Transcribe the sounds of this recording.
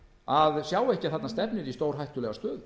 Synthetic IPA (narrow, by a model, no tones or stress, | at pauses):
aðsjaːwɛhcɪaθat̪nast̪ɛpnɪðist̪oːwɾ̥ɦajht̪ʏlɛɣast̪œːð